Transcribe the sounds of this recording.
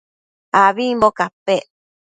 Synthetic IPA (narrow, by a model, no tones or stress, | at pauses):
aβimbokape